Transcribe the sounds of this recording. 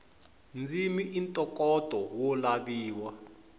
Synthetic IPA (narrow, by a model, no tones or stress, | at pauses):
nd͡zimiʔintʼɔkʼɔtʼɔwɔlaɓiːwa